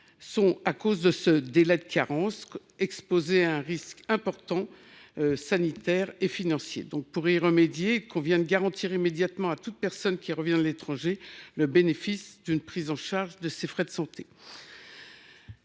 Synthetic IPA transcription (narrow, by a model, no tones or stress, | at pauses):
sɔ̃akozd̪əsəd̪elɛd̪əkaʁɑ̃s | ɛkspozeaɛ̃ʁiskɛ̃pɔʁt̪ɑ̃ | sanit̪ɛʁefinɑ̃sjḛd̪ɔ̃k̚puʁiʁəmed̪jekɔ̃vjɛ̃d̪əɡaʁɑ̃t̪ʰiʁimed̪jat̪mɑ̃at̪ut̪̚pɛʁsɔnkʲiʁəvjɛ̃alet̪χɑ̃ʒeləbenefisd̪ynpχizɑ̃ʃaʁʒd̪əsefχɛd̪əsɑ̃t̪ʰe